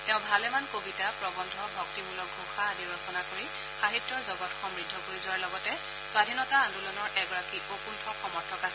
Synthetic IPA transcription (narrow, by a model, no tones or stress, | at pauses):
tɛʊ̃bʱalɛmankobitapɹɔbɔndʱɔbʱɔk̚timulɔk̚ɡʱuxʰaniɹɔsɔnakoɹi | xaɦitːɔɹzɔbɔtxɔmɹidʱːɔkoizʊwaɹlɔɡɔtɛ | swadʱinɔtaːndulɔnɔɹʔɛɡɔɹakiʔokuntʰɔxɔmɔɹtʰɔkas